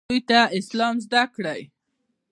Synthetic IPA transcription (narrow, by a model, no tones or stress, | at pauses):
ujt̪aɪslɑmzd̪akɽəj